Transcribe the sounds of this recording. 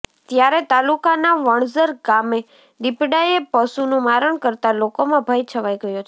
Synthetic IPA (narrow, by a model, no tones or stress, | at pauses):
t̪jaɾɛt̪alukanaʋəɳzəɾɡame | d̪ipɖaepəsunũmaɾəɳkəɾt̪alokomãbʱajt͡ʃʰəʋajɡəjot͡ʃʰe